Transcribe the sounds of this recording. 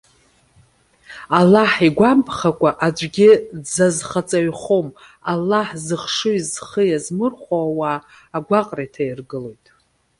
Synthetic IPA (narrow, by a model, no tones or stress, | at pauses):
alːaħiɡʷampʰχakʷʼaʔad͡ʒʷʼɡʲɪd͡zazχat͡sʼaɥχom | alːaħzɨχʂɨizχəjazmɨrχʷoawaː | ɡʷaqʼratʰajirɡɨlo̞jtʼ